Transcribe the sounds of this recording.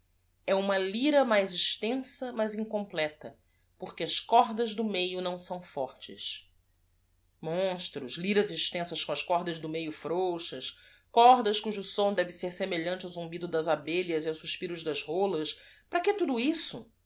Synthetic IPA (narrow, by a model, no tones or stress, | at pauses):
ɛũmɐliɾɐmajzɪʃt̪ẽsɐmɐzĩŋkõplɛt̪ɐ | poχkeɐʃkɔɾd̪ɐzd̪ʊmejʊnɐ̃w̃sɐ̃w̃fɔɾt͡ʃɪ̰s | mõʃt̪ɾʊʃliɾɐziʃt̪ẽsɐʃkõɐʃkɔɾd̪ɐzd̪ʊmejʊfɾowʃɐʃ | kɔɾd̪ɐʃkuʒʊsõd̪ɛvɪseɾsemeʎɐ̃nt͡ʃɪawzũmbid̪ʊd̪ɐzabeʎɐziawsuʃpiɾʊzd̪ɐzholɐspɾɐket̪ud̪uisʊ